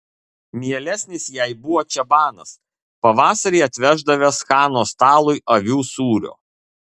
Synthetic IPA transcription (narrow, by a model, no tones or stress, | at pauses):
mʲiɛlʲɛsʲnʲɪsjɛɪbʊʋoːt͡ʃʲɛbɑːnɐs | pɐʋɑːsɐɾʲiːɐt̪ʲʋʲɛʒd̪ɐʋʲɛsxɑːnoːst̪ɑːlˠʊɪʔɐʋʲuːsuːɾʲo̰ː